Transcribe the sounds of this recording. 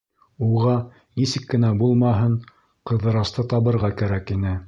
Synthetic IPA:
uʁɑ | nisɘkːɘ̆næbulˠmɑɦɤɴ | qɤ̆ðɤ̆ɾɑst̪ɤt̪ɑβɤ̆ɾʁɑkæɾækinɘ

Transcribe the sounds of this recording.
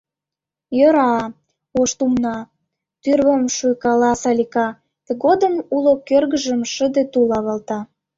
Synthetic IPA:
jəɾɑ | oʃt̪umnɑ | t̪yrβəmʃujkɑlɑsɑlʲikɑ | t̪eɡod̪əmulokørɣəʒəmʃəd̪et̪ulɑβɑlt̪ɑ

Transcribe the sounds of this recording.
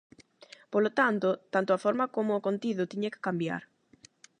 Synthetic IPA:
polot̪ant̪ʊt̪ant̪ʊafɔɾmɐkomʊːkont̪iðʊt̪iɲekɪ̥kambja̰ɾ

